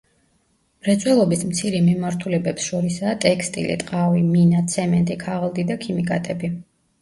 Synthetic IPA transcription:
mɾɛt̪sʼwɛlˠɔbismt̪sʰiɾɛmimaɾt̪ʰulɛbɛpsʃɔɾisaːt̪ʼɛkʰst̪ʼḭlḭt̪ʼqʼaviminat̪sʰɛmɛnt̪ʼikʰaʁlˠd̪id̪akʰimikʼat̪ʼɛbi

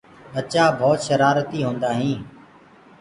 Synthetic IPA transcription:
ət͡ʃaːbʱɔːt̪ʃəɾaːɾt̪iːɦõːnd̪aːɦĩː

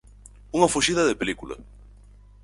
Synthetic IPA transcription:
uŋɐfoʃiðɐðepelikulɐ̰

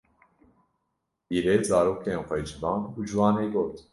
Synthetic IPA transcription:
biːɾeːzɑːɾoːkʰeːnxʷɛjd͡ʒɨvɑːnud͡ʒɨwɑːneːɡoːt̪

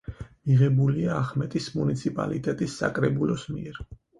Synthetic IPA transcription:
miʁɛbuliaːχmɛt̪ʼismunit̪sʰipʼa̰lit̪ʼɛt̪ʼisːa̰kʼɾɛbulɔsmiɛɾ

